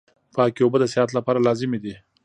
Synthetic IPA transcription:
pɑkiobəd̪əsehat̪lapɑɾalɑzɪmed̪i

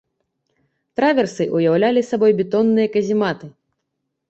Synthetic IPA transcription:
t̪ɾavʲɛrsɨʔujawlʲalʲisabɔjbʲɛt̪ɔnːɨjɐkɐzʲimat̪ɨ

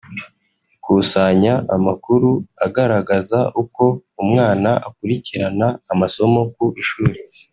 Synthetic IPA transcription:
kusaɲaʔamakuɾuaɡaɾaɡazaʔuko̞umŋaːnaʔakuɾiciɾanaːmaso̞mo̞kuʔiʃuːɾi

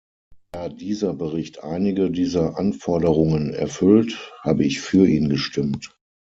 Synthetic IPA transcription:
d̥aːdiːzɐbəʁɪçtʔa̰ɪnɪɡədiːzɐʔanfɔɐdəʁʊŋənɛ̰ɐfʏlthaːbəɪçfyːɐʔiːnɡəʃtɪmt

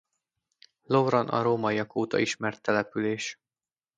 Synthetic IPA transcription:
lovrɒnɒ̰ɾoːmɒijɒkoːt̪ɒ̰iʃmɛrt̪ːɛlɛpyleːʃ

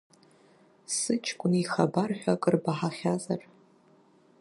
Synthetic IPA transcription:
sɨt͡ʃʰʼkʷʼʊnixabarħʷᶣakʼɨrbaħaχʲazar

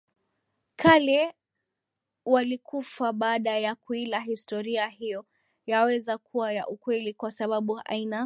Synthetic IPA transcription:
kʰalɛ | walikufaɓaːɗajakuilaɦistɔɾiaɦijɔ | jawɛzakʰuwajaʔukwɛlikwasaɓaɓuʔa̰ina

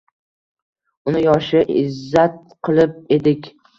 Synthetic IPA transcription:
ʊnɪjɒʃɪʔɪzːat̪̚ | qʰɨlˠɪp̚e̞d̪ɪkʲ

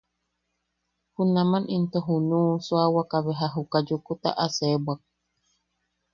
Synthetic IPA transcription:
hunamanʔint̪oɦunuːswawakaβeɦaɦukad͡ʒukut̪a̰ʔasebwak̚

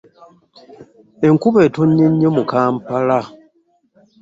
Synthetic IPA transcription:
eŋkuβetoɲːeɲːemukaːmpala

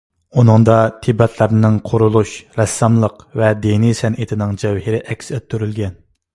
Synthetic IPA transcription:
unɨŋd̪ɑt̪ʰibɛt̪ʰlæɾnɪŋqʰoɾulˠuʃɾɛsːɑmlˠəqvɛd̪inisɛnʔɪt̪ʰɪnɪŋd͡ʒɛwhɪɾɪʔɛkʲsøt̪ʰːyɾylɡʲɛn

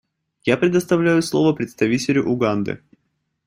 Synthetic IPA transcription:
japɾʲɪd̪əst̪ɐvlʲæjʊslˠo̞vəpɾʲɪt̪st̪ɐvʲitʲɪlʲʊʔʊɡand̪ɨ̰

